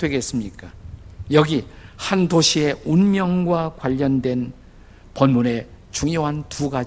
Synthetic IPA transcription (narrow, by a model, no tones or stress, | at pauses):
dwe̞ɡe̞s͈ɯmɲik͈ajʌɡihandoɕʰie̞unmjʌŋɡwakwaʎːʌndwe̞n | pʌnmune̞t͡ɕuŋjoɦantuɡa